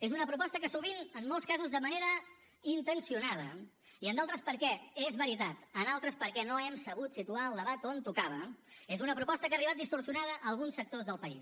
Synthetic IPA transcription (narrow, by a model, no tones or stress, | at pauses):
ezunəpɾupɔst̪əkəsuβinənmːolˠskazuzðəməneɾə | int̪ənsiunaðə̰ | iənd̪alˠt̪ɾəspəɾkɛezβəɾit̪at̪ənalˠt̪ɾəspəɾkɛnoɛmsəβ̞ut̪sit̪uaəlˠd̪əβat̪ont̪ukaβ̞əezunəpɾupɔst̪əkaːriβat̪̚d̪ist̪uɾsiunaðəʔːlˠɣunsːək̚t̪ozðəlˠpəḭs